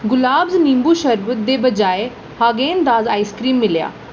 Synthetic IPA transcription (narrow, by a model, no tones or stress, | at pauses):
ɡʊlaːbznĩːmbuːʃəɾbd̪eːbəd͡ʒaːeː | haːɡeːənd̪aːzaːiːskɾiːmːɪlja̰ː